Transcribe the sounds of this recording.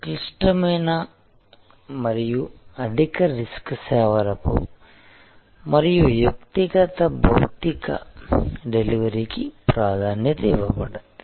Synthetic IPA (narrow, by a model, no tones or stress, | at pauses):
kliʂʈɐmeːnɐ | mɐɾijuɐd̪ʱikɐɾiskseːʋɐɾɐpṵ | mɐɾijujɐkt̪iɡɐt̪ɐbʱɐwt̪ikɐ̰ɖeliʋɐɾikipɾaːd̪ʱaːnjɐt̪eːʋɐpɐɽɐt̪